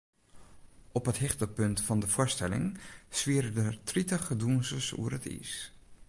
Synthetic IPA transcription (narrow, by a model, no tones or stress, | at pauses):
ɔpɦəthɪχtəpɵntfɑndəfʊːɹstɛlɪ̰ŋsʋiəɾədətritəχəduənsəsṵərətʰḭs